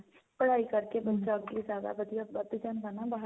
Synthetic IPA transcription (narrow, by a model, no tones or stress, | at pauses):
pɐɽ̤aːikɐɾkebɐt̪ːʃakisaːd̪a̰bɐd̪ʱijabɐt̪ːəd͡ʒənbɐnabaɦ